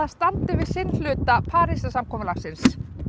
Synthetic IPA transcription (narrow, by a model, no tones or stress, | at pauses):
ast̪ant̪ɪvɪðsɪnlʏːt̪apʰaːɾɪsasamkʰɔːmʏlaxsɪns